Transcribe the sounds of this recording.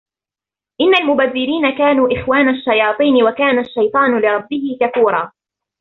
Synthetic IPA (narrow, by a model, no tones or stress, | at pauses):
ʔɪnːalmʊbaðːɪɾiːnakaːnuːʔɪxwaːnaʃːajɑːt̪ˤiːnɪwakaːnaʃːajt̪ˤɑːnʊlɪɾˤɑbːɪhɪkafuːɾˤɑː